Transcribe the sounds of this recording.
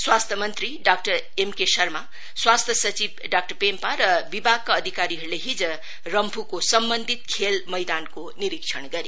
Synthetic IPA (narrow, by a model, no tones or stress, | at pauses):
swast̪ʰjʌmʌnt̪riɖakʈʌɾ | emkesʌrma | swast̪ʰjʌsʌt͡sibɖak̚ʈʌrpempaɾʌbibʱaɡ̚kaːd̪ʱikaɾiɦʌɾuleɦid͡zʌ | rʌmpʰukosʌmbʌnd̪ʱit̪̚kʰelmʌjd̪ankoniɾikt͡ʃʰʌɳ̃ɡʌɾi